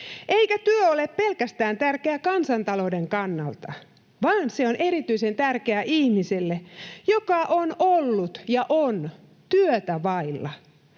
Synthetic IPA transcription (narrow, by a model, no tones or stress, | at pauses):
ʔeikæt̪yøoleppelkæst̪æːnt̪ærkeækɑnsɑnt̪ɑloudeŋkɑnːɑlt̪ɑ | ʋɑːnseonʔeɾit̪yisent̪ærkeæʔihmiselːejokɑʔonolːut̪jɑʔon | t̪yøt̪æʋɑilːɑ̰